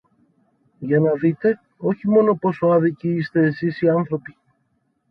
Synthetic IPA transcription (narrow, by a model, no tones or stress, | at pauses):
ʝɐnɐðit̪e̞ | o̞çimo̞no̞po̞soɐðiciist̪e̞ːsisiɐnθɾo̞pi